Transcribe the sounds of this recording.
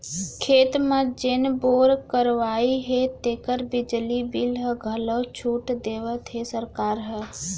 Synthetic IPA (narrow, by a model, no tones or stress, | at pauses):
kʰeːt̪mə̃d͡ʒenboɾkəɾʋaiɦet̪eːkəɾbɪd͡ʒlibilɦəɡʱələt͡ʃʰuʈd̪eʋət̪ɦesəɾkaːɾɦə